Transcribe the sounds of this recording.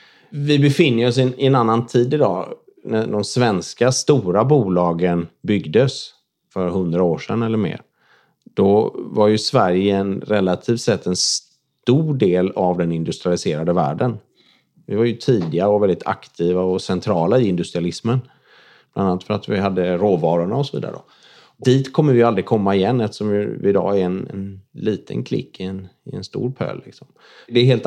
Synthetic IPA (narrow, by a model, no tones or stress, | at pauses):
vɪbɛfɪnːəɔsɪnɪɛnanːant̪ʰiːd̪ɪd̪ɑ̰ː | næɖɔmsvɛnskast̪uːɾabuːlɑːɡənbʏɡd̪əs | fœɾɦɵnd̪ɾaoːʂɛnːɛlːəɾmḛːɾ | d̪̥ɔvaɾjɵsvæɾjəɛnɾɛlːat̪ʰiːft̪sɛt̪ʰːɛns | t̪uːɖeːlavd̪ɛnɪnd̪ɵst̪ɾɪalɪseːɾad̪əvæ̰ːɖən | vɪvaɾjɵt̪ʰiːd̪ɪaɾɔvɛld̪ɪt̪ʰa̰kt̪ʰiːvaɔsɛnt̪ʰɾɑːlaɪɪnd̪ɵst̪ɾɪalɪsmən | b̥lananat̪fœɾat̪vɪɦad̪ːəɾoːvɑːɾʊɳaɔsɔvḭːd̪a̰ɾə̰d̰ | d̪iːt̪kʰɔmːəɾvɪjʏald̪ɾɪɡkʰɔmːaɪjɛnːɛft̪ə̥ʂɔmjɵ̰vɪd̪ɑ̰ːɛɾɛnɛ̰nliːt̪ʰə̰nkʰlɪ̰kːɪɛnɪɛnst̪ṵːɾpʰø̰ːlːɪ̰ksɔm | d̪ɛɦeːlt̪